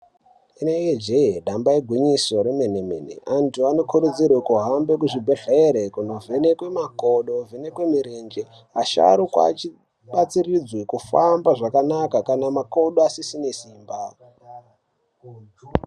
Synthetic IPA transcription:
inejed͡ʒeɦeɗambaeɡʱwiɲiso̞ɾemenemḛnḛʔantuano̞kʰuɾud͡zirwekuɦambekuʐibʱeɬeeɾekuno̞vʱene̞kwemakoɗovʱene̞kwemiɾend͡ʒe | aʃa̰ɾukwa̰t͡ʃi | ɓat͡sirid͡zwekufambaʐakanakakanamakoɗoasisinesiːmba

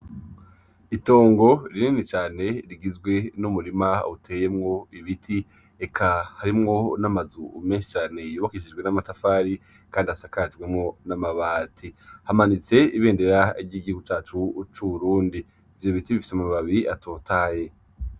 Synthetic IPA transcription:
ito̞ːŋɡo̞ɾininit͡ʃaːne̞ɾiɡizɡwe̞numuɾimautʰe̞ːje̞mŋo̞iβitʰi | ekʰahaɾimŋo̞namazṵmeːnʃi̥t͡ʃaːne̞ijuβakiʃid͡ʒɡwe̞namatafaːɾi | kaːndiasakad͡ʒɡwemŋo̞namaβaːtʰihamanit͡se̞iβeːnde̞ɾaiɟiɟihuɡut͡ʃaːt͡ʃut͡ʃuβuɾuːndi | ivjo̞βitiβifi̥semuamaβaβiato̞ːtʰaːje̞

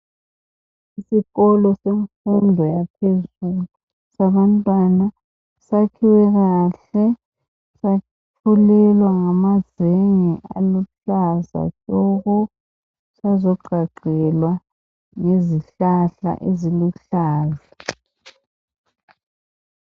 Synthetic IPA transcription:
isiɣɔlɔseɱfundʱɔjapʰezulu | saβantʼwana | sakʰiwɛɣaɬɛ | sa | ulɛlwaŋamaz̥eŋiʔa̰luɬaza̰t͡ʃʼɔɣɔ | sazɔɡ͡ǃʱaɡ͡ǀʱɛlwa | ŋeziɬaɬa̰ʔeziluɬaːza

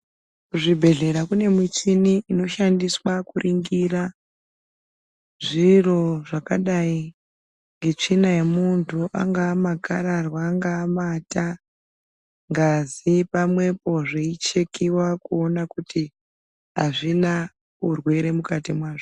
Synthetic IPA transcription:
kuʐibʱe̞ɮe̞ɾakune̞mit͡ʃiniːno̞ʃandiswakurʔiŋɡira | ʐiro̞ʐakaɗai | ŋɡe̞t͡ʂinaje̞muntʰuʔa̰ŋɡaːmakaɾarwaːŋɡaːmata | ŋɡazipamwe̞po̞ʐeit͡ʃe̞kiwakuo̞nakuti | aʐina | urwe̞ɾe̞mukatimwaːʐo

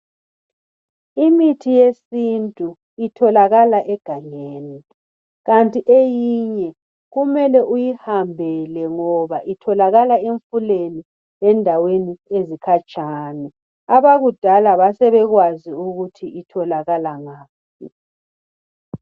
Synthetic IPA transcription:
imitʰijesintʼu | itʰɔlaɣalaʔɛɡ̥ʱaŋeːni | ɣantʼiʔejiɲɛ | ɣumɛlɛʔujihambʱɛlɛŋɔβaʔitʰɔlaɣalaeɱfuleni | ɛndʱaweniezikʰat͡ʃʼaːnɛ | aβaɣud̥ʱalaβasɛβɛɣwaziuɣutʰiitʰɔlaɣalaŋaːp̚ʰ | i

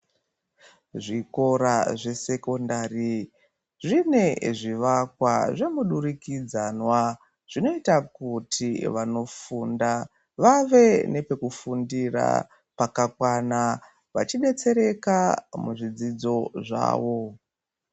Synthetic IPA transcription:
ʐiko̞ɾaʐe̞se̞ko̞ndaːri | ʐine̞ʐiʋakwaʐe̞muɗurikid͡zanwa | ʐ̥ino̞itakutʰiʋano̞funda | ʋaʋe̞ne̞pe̞kufundira̰ | pakakwana | ʋat͡ʃiɗe̞t͡se̞ɾe̞kamuʐid͡zid͡zo̞ʐa̰ːʋo̞

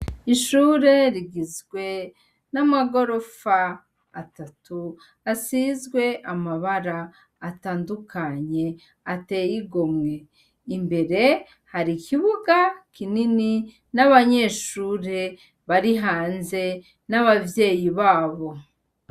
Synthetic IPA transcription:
iʃuːɾe̞ɾiɡizɡwe̞ | namaɡo̞ɾo̞faː | tatu | asizɡwe̞ʔamaβaɾaː | taːndukʰaɲe̞ | ate̞jiɡo̞mŋe̞ | imbe̞ɾe̞ | haɾikiβuɡakʰinini | naβaɲe̞ʃuːɾe̞ | βaɾiɦaːnze̞ | naβavje̞ːjiβaːβo̞

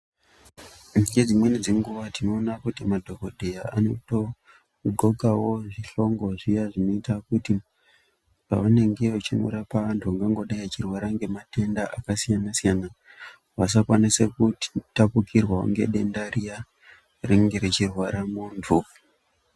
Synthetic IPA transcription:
niɡed͡zimwenid͡ziŋɡuʋatino̞ːnakutimadʱo̞kodʱejaa̰no̞to̞ | ɡʱo̞kawo̞ʐiɬo̞ŋɡo̞ʐijaʐino̞itakuti | pa̰ʋane̞ŋɡe̞ut͡ʃino̰ɾapaʋantʰuʋaŋɡaŋɡo̞ɗajat͡ʃirwaɾaŋɡe̞mate̞ndaʔakasijanasijana | ʋas̬akwanise̞kuttapukirwaṵŋɡe̞̰ɗe̞ndarija | riŋɡe̞ɾit͡ʃirwaɾamundʱuvu

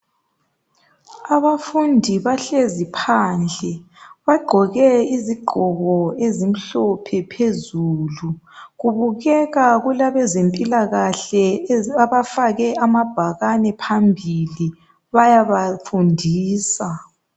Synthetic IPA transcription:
aβafundʱiβaɬezipʰaːnd͡ɮʱɛ | βaɡ͡ǃʱɔɣɛiziɡ͡ǃʱɔɣɔezim̩ɬɔpʰɛpʰezuːlu | ɣuβuɣɛɣaɣulaβɛzempʼilaɣaɬɛaβafaɣɛamab̥ʱaɣanɛpʰambʱili | βajaβafundʱiːsa

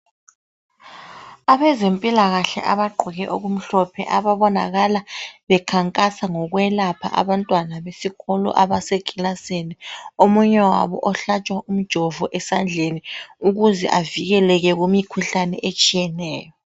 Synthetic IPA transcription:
aβɛzempʼilaɣaɬɛ̰ʔaβaɡ͡ǃʱiɣɛʔoɣum̩ɬɔpʰɛ̰ʔaβaβɔna̰ɣalaβɛkʰaŋkʼasaŋɔɣwɛlapʰa̰ʔa̰βantʼwanaβesiɣɔlɔ̰ʔaβaseɡ̥ʱʼilaseniomuɲɛwa̰βɔ̰ʔɔɬat͡ʃʼwaʔum̩d̥ʒ̥ʱɔvɔʔɛsand͡ɮʱeniuɣuzɛ̰ʔaviɣɛlɛɣɛɣumikʰuɬanɛ̰ʔet͡ʃʼijɛnɛːjɔ

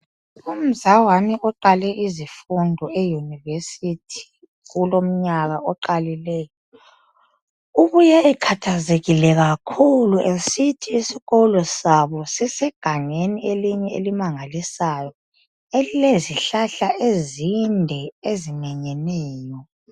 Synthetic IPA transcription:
um̩zawaniʔɔǃalɛʔizifundʱɔejunivesitʰi̥ | ɣulom̩ɲaɣaʔɔǃalilɛjɔ | uɣujɛɛkʰatʰazeɣilɛɣakʰuluʔesitʰiːsiɣɔlɔsaβɔsɛsɛɡ̥ʱaŋenieliɲɛelimaŋalisajɔ | elileziɬaɬaʔezindʱɛezimɛɲɛnɛːjɔ

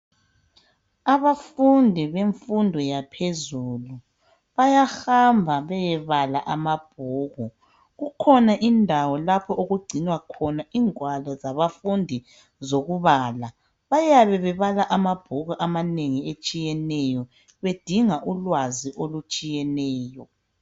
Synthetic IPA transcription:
aβafundʱiβeɱfundʱɔjapʰezuːlu | βajahambʱaβɛjɛβalaʔamab̥̚ʱuːɣɔ | ɣukʰɔnaʔindʱawɔlapʰɔuɣuɡ͡ǀʱinwakʰɔnaiːŋwalɔzaβafundʱi | zoɣuβaːla | βajaβɛβɛβalaʔamab̥ʱuɣɔʔamaneŋiet͡ʃʼijɛnɛjɔ | βed̥ʱiŋaʔulwaziʔolut͡ʃʼijɛnɛːjɔ

